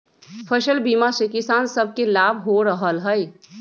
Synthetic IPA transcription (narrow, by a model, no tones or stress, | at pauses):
pʰəʃəlbiːmasekɪsaːnsəb̚ʱkelaːbʱɦoɾəɦəlɦəj